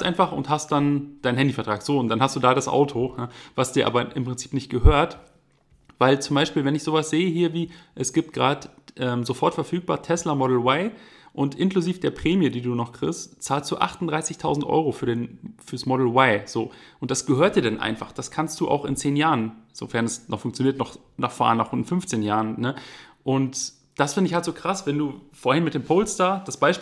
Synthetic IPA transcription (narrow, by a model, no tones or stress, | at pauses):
ʔaɪnfaχʔʊ̰nthast̚d̥and̥aɪnhɦɛndifɛɐtʁ̥aːkz̥oːʊntd̥anɦastd̥uːdaːdasʔa̰ʊtʰojaːvasd̥iːɐʔaːbɐʔɪmpʁ̥ɪnt͡siːpnɪçt̚ɡ̥əɦøːɐt | vaɪlt͡sʊmbaɪʃpiːlvɛnɪçz̥oːvasz̥eːəɦiːɐviːʔɛsɡ̥iːp̚t̚ɡ̥ʁaːdəʔɛːmzofɔɐtfɛɐfyːk̚b̥a̰ːɐtʰɛslamɔdl̩waɪʔʊntʔɪnkluziːfd̥eːɐpʁ̥eːmjədiːduːnɔχkʁ̥ɪstt͡saːlstd̥ṵːʔa̰χtʊnd̥ʁaɪsɪçtʰaʊzn̩tʔɔ̰ʏʁ̞ofyːɐdeːnfyːɐsmɔdl̩waɪz̥o̰ːʔʊnt̚d̥asɡ̥əhøːɐt̚d̥iːɐdanʔa̰ɪnfa̰χd̥askʰanst̚d̥uːʔa̰ʊxɪ̰nt͡seːnjaːʁənz̥o̰fɛɐnɛsnɔχfʊŋkt͡sjoniːɐtnɔχ | naːχfa̰ːɐənaχʊnɪnfʏnft͡seːnjaːʁənnəʔʊnt | d̥asfɪndəɪçhaltz̥oːkʁ̥asvɛnduːfoːɐhɪnmɪtd̥eːmpʰoʊlstaːɐd̥asb̥aɪʃ